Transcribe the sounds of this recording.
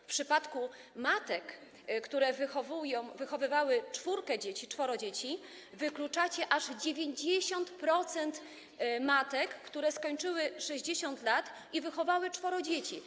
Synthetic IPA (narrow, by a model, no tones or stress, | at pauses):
fpʂɘpat̪kumat̪ɛk | kt̪uɾɛvɘxɔvujɔ̃w̃vɘxɔvɘvawɘt͡ʂfuɾkɛd͡ʑet͡ɕit͡ʂfɔɾɔd͡ʑet͡ɕi | vɘklut͡ʂat͡ɕɛʔaʐd͡ʑevʲjeɲd͡ʑeɕɔnt̪pɾɔt̪sɛnt̪ | mat̪ɛkːt̪uɾɛskɔɲt͡ʂɘwɘʂɛʑd͡ʑeɕɔnt̪lat̪ | ivɘxɔvawɘt͡ʂfɔɾɔd͡ʑet͡ɕi